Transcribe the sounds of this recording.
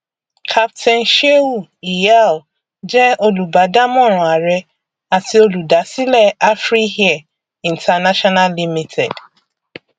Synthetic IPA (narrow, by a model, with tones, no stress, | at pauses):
kʰa˦ptʰɛ̃˨nʃe˦wu˦˨i˨ja˦l | d͡ʒɛ˦o˦lu˨ba˨˦da˦mɔ̃˦˨ɾ̃ʊ̃˨a˨ɾɛ˧ | a˨ti˧o˧lu˨da˨˦si˦lɛ˦˨ʔa˦fɾi˦ɦi˦a˨ | ĩ˨n̩˨tʰa˨na˦ʃɔ˦na˦lli˦mi˦tʰɛ˨d